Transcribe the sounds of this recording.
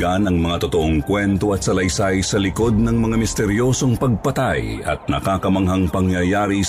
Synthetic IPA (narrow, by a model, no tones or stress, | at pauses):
anɐŋmɐŋat̪ot̪oʔoŋkwɛnt̪o̞ɐt̪̚sɐlɐjsajsɐlɪko̞d̪̚nɐŋmɐŋamɪst̪ɛɾjo̞so̞ŋpɐɡ̚pɐt̪ajɐ̰t̪̚nɐkaːkɐmɐŋɦɐŋpɐŋjɐjaːɾi